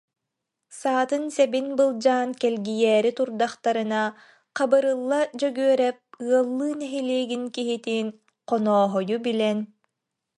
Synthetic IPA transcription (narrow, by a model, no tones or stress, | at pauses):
saːt̪ɯnsɛbinbɯlˠd͡ʑaːnkɛlɡijɛːɾit̪uɾd̪aχt̪aɾɯna | qabɯɾɯlˠːad͡ʑœɡyœɾɛp̚ɯɐlˠːɯːnɛɦiliːɡinkiɦit̪iːn | qɔnɔːɦɔjubilɛn